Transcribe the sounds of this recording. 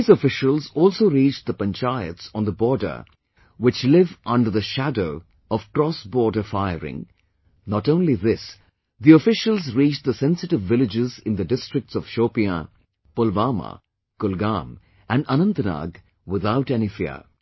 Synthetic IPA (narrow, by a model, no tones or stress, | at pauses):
izəfɪʃəlˠzɔːlˠsoʊɾit͡ʃd̪əpə̃nt͡ʃaɪɨ̰tsɔ̃nðəbɔːɹdə̰˞ | wɪt͡ʃlɪvʔʌ̃nɖə˞ðəʃædoʊ | ɔv̥kɾɔsbɔːɹdəfaɪəɾɪ̰̃ŋ | nɔʈõʊ̃nliðɪs | ðiɔfɪʃəlˠzɾiːt͡ʃd̪əsɛ̃nsɨʈɪvːɪlɪd͡ʒɪzɪ̃nd̪ədɪstɹ̥ɪk̚ʈsɔv̥ʃoːpiə | pʊlvamə̰ | kʊlɡã̰m | ʔæ̃nənə̃nt̪əna̰ɡ | wɪðaʊʈɛnifḭə̰